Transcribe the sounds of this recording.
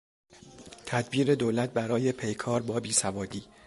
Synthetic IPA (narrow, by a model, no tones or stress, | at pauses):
t̪ʰæd̪biːɾe̞d̪oːlæt̪̚bæɾɒːje̞pʰe̞jkʰɒːɾbɒːbiːsævɒːd̪iː